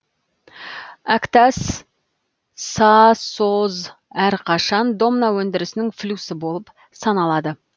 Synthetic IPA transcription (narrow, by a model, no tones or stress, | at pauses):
ækt̪ɑs | ɑsoz | æɾqʰɑʃɑnd̪o̞mnawɵnd̪ɪɾɪsɪnɪŋflʲusɪbo̞lˠəp | sɑnɑlˠɑd̪ə